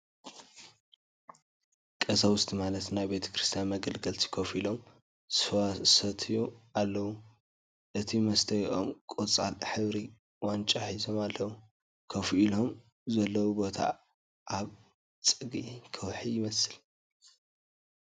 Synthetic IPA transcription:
kʼɐsawʊst̪ʰimalɐt̪najbe̞t̪ʰɐ̥kɾɨst̪ʰijanmɐɡɐlɡɐlt̪ʰi̥kʰɐfilo̞m | sɨfɐwasɐt̪ʰɨjualːɐwu | ʔɨt̪ʰimɐst̪ʰɐjiʔo̞mkʼot͡sʼa̰lħɨβɾi | want͡ʃʼaħizo̞malːɐwu | kʰɐfʔilo̞m | zɐlːɐwubo̞t̪ʰa̰ | ʔaβ | t͡sʼɨɡikʰɐwħijɪmɐsɨl

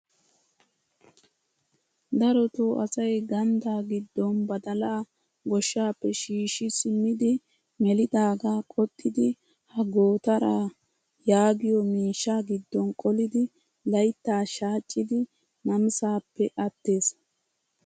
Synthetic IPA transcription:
d̪ɐɾɔt̪oːʔɐsɐjɡɐnd̪aːɡɪd̪ːɔnbɐd̪ɐlaː | ɡɔʃːaːpːɛʃiːʃɪsɪmːɪd̪ɪ | mɛlɪd̪aːɡaːkʼɔt̪ʼːɪd̪ɪ | hɐɡoːt̪ɐɾaː | jaːɡɪjɔmiːʃːaːɡɪd̪ːɔnkʼɔlɪd̪ɪ | lɐjt̪ːaːʃaːt͡ʃʼːɪd̪ɪ | nɐmsaːpːɛʔɐt̪ːe̞ːs

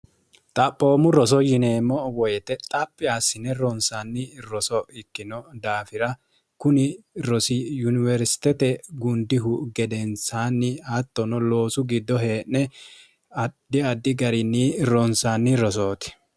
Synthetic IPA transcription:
t̪ʼɐpʼːo̞ːmʊɾɔs̬ɔjɪneːmːɔwɔjɛt̪ɛt̪ʼɐpʼːɪasːɪnɛɾɔnsanːɪɾɔsɔɪkːɪnɔd̪aːfɪɾɐ | kʊnɪɾɔsɪjʊnɪvɛɾsɪ̥t̪ɛt̪ɛɡʊnd̪ɪɦʊɡɛd̪ɛnsaːnːɪɐt̪ːɔnɔlo̞ːsʊɡɪd̪ːɔɦeːnːɛ | ɐd̪̥ɪɐd̪ːɪɡɐɾɪnːiɾɔnsanːɪɾɔs̬oːt̪ɪ̥

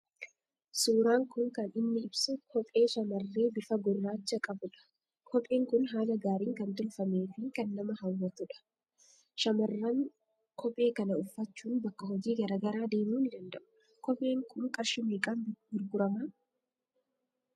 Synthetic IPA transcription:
suːɾaːŋkʊŋkɐnɪnːɪɪbsʊkʰɔpʼe̞ːʃɐmɐrːe̞ːbɪfɐɡɔrːaːt͡ʃːɐkʼɐbʊᶑɐ̥ | kʰɔpʼe̞ːŋkʊnɦaːlɐɡaːɾiːŋkɐnt̪ʊlfɐme̞ːfɪkɐnːɐmɐɦɐwːɐt̪ʊᶑɐ̥ | ʃɐmɐrːaŋ | kʰɔpʼːe̞ːkɐnɐʊfːɐt͡ʃːuːnbɐkːɐɦɔd͡ʒiːɡɐɾaːɡɐɾaːd̪e̞ːmuːnɪd̪ɐnd̪ɐʔʊ̥ | kɔpʼe̞ːŋkʊŋkʼɐɾʃɪmeːkʼaːnbɡɪɾɡʊɾɐma

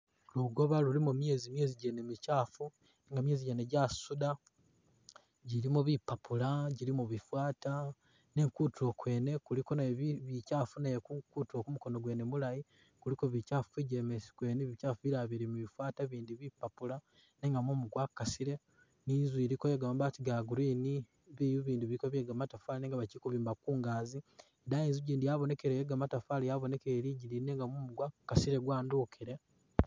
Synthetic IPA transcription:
luɡo̞βalulimumje̞zimje̞ːziɟe̞nemicaːfu | neŋɡamje̞ːziɟeneɟasuda | ɟiɾimuβipːapulaɟiɾimuβifwaːta | ne̞ːŋkuːtuokwe̞ːne̞kuliko̞naββicaːfunajekukutio̞kumuko̞no̞ɡwe̞ːnemulaji | kulikoβicafiɟemesi̥kweːniβicaːfuiɾaβiɾimiβifwaːtaβiːndiβipːapula | neːŋɡamumuɡwakːasiɾe | niːzwiːɾikojeɡamambatiɡaɡuɾiːni | βijuβiːndiβiikoβjeɡamatafaleneŋɡaβacikuβiːmbakuːŋɡaːzi | edajeːnzuɟiːndijaβo̞ne̞keɾejeɡamatafalejaβone̞keɾiɟiɾineːŋɡamumuɡwakːasiɾe̞ɡwaːnduːkʰiɾe̞

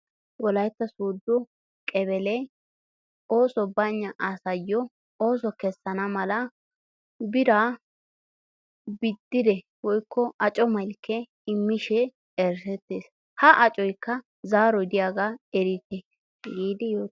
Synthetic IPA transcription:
wɔlɐjt̪ːɐsuːd̪ːɔ | kʼɛbɛlɛ | o̞ːsɔbɐɲːɐʔasɐjːɔ | o̞ːs̬ɔkɛsːɐnɐmɐlɐ | bɪɾa | bɪd̪ːɪd̪ɛ | wɔjkːɔʔɐt͡ʃʼɔmɐlkʰːɛ | ɪmːɪʃɛ | ɛɾsɛt̪ːeːs | hɐʔɐt͡ʃʼɔjkːɐ | zaːɾɔjd̪ɪjaːɡaɛɾɪt̪e | ɡiːd̪ɪjoː

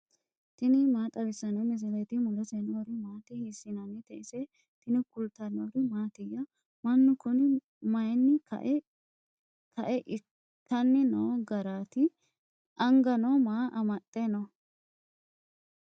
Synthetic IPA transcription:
t̪ɪnɪmaːt̪ʼɐbɪsːɐnɛmɪs̬ɪlɐjt̪ɪmʊlɔsɛnoɾɪmaːt̪ɪhɪsːɪnɐnːɪt̪ɛʔɪsɛ | t̪ɪnɪkʊlt̪ɐnoɾɪmaːt̪ɪjːɐ | mɐnːʊkʊnɪ | mɐjnːɪkɐ̰ʔ | kʰɐʔɛʔɪ | tːɐnːɪnoːɡɐɾaːt̪ɪ | ʔɐŋɡɐnomaːʔɐmɐt̪ʼːenɔ

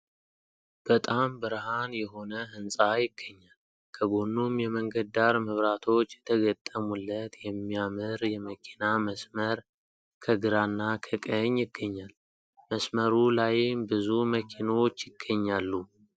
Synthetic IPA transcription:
b̥ət̪ʼambəɾɦanjɛɦo̞nəɦɨnsʼajɪɡ̥ːəɲːal | kʰəɡo̞nːumjɛməŋɡəd̪d̪aɾməβɾat̪ʰo̞t͡ʃːjɛ̥t̪ʰəɡət̪ʼːəmulːət̪jɛmːijamɨɾjɛməkʰinaməsməɾ | kʰəɡɨɾanːakʰəkʼəɲːjɪɡːəɲːal | məsməɾulajmbɨzuməkʰinot͡ʃːjɪɡ̥ːəɲːalːu

